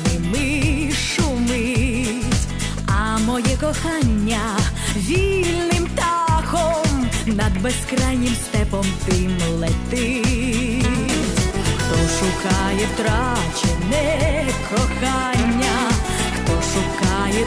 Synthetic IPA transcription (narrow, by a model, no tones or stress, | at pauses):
ɪmɪ | ʃumɪ | ɐmɔjɛkɔxanʲːɐ | ʋʲilʲnɪmt̪axɔmnɐd̪bɛskɾajnʲɪmst̪ɛpɔmt̪ɪmlˠɛt̪ɪ | xt̪ɔʂʊkɑjɛt̪ɾat͡ʃɛnɛkʰɔxanʲːɐ | xt̪ɔʂʊkɑjɛ